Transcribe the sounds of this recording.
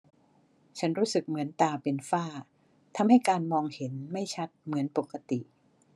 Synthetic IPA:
t͡ɕʰa˦˥nɾuː˦˥sɯ˨˩k̚mɯ˩˦ənt̪aː˧pe˧nfaː˥˩ | t̪ʰa˧mha˥˩jkaː˧nmɔː˧ŋhe˩˦nma˥˩jt͡ɕʰa˦˥t̪̚mɯ˩˦ənpo˨˩kːa˧t̪i˨˩ʔ

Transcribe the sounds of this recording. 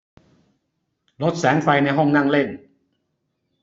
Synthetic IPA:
lo˦˥t̪̚sɛː˩˦ŋfa˧jna˧jɦɔ˥˩ŋna˥˩ŋle˥˩n

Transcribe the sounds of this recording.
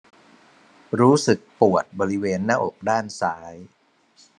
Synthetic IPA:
ɾuː˦˥sɯ˨˩k̚pu˨˩ət̪̚bɔː˧ɾi˦˥weː˧nːaː˥˩ʔo˨˩k̚daː˥˩nsaː˩˦˥j

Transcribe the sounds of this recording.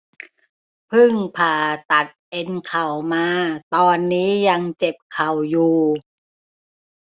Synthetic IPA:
pʰɯ˥˩ŋpʰaː˨˩t̪a˨˩t̪̚ʔe˧nkʰa˨˩wmaː˧t̪ɔː˧nːiː˦˥ja˧ŋt͡ɕe˨˩p̚kʰa˨˩wjuː˨˧˩

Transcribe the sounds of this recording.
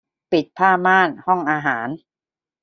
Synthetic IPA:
pi˨˩t̪̚pʰaː˥˩maː˥˩nhɔ˥˩ŋʔaː˧ɦaː˩˦n

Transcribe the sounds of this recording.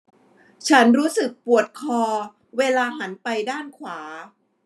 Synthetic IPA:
t͡ɕʰa˦˥nɾuː˦˥sɯ˨˩k̚pu˨˩ət̪̚kʰɔː˧ | weː˧laː˧ɦa˩˦npa˧jdaː˥˩nkʰwaː˩˦

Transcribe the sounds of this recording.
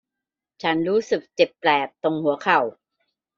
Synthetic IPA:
t͡ɕʰa˦˥nɾuː˦˥sɯ˨˩k̚t͡ɕe˨˩pːlɛː˨˩p̚t̪o˧ŋhu˨˩˦ɐkʰa˨˩w

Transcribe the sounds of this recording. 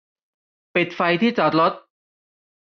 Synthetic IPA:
pi˨˩t̪̚fa˧jt̪ʰiː˥˩t͡ɕɔ˨˩t̪̚lo˦˥t̪̚

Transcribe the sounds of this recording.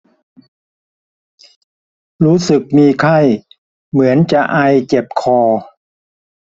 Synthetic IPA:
ɾuː˦˥sɯ˨˩k̚miː˧kʰa˥˩j | mɯ˩˦ənt͡ɕa˨˩ʔa˧jt͡ɕe˨˩p̚kʰɔː˧

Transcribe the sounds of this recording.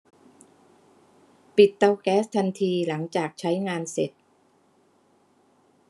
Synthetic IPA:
pi˨˩t̪ːa˧wkɛː˦˥st̪ʰa˧nt̪ʰiː˧la˩˦ŋt͡ɕaː˨˩k̚t͡ɕʰa˦˥jŋaː˧nse˨˩t̪̚

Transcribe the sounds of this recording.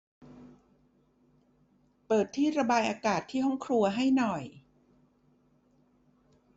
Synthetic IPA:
pɤː˨˩t̪ʰːiː˥˩ɾa˧baː˧jʔaː˧kaː˨˩t̪ʰːiː˥˩ɔ˥˩ŋkʰɾu˧ɐɦa˥˩jnɔ˨˩j

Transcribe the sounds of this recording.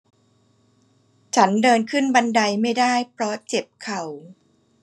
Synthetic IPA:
t͡ɕʰa˦˥ndɤː˧nkʰɯ˥˩nba˧nda˧jma˥˩jdaː˥˩jpʰɾɔ˦˥t͡ɕe˨˩p̚kʰa˨˩w

